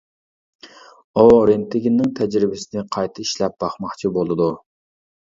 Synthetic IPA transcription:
oɾɪnt̪ʰɪɡʲinːɪŋt̪ʰɛd͡ʒɾɪbɪsɪnɪqʰɑjt̪ʰɨiʃlɛp̚b̥ɑχmɑχt͡ʃʰibolˠɨd̪u

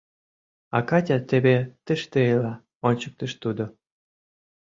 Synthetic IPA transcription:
ɑkɑtʲat̪ebet̪əʃt̪eelɑ | onʲt͡ɕək̚t̪ə̆ʃt̪ud̪o

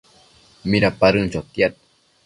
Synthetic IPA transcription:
miɾapaɾunt͡ʃawt̪jat̪̚

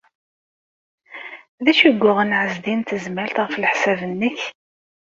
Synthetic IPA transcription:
ðæʃəɡʷːʊʁənʕəzd̪int̪əzmælt̪ʁəflħsævənːəç

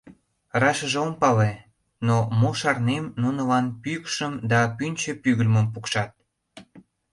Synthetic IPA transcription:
rɑʃəʒeompɑle | nomoʃɑrnemnunəlɑnpykʃəmd̪ɑpynʲt͡ɕəpyɣəlmə̆mpukʃɑt̪̚

